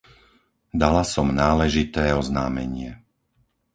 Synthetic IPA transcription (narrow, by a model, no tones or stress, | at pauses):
d̪alasɔmnaːlɛʒit̪ɛːɔzna̰ːmɛ̰ɲɪɛ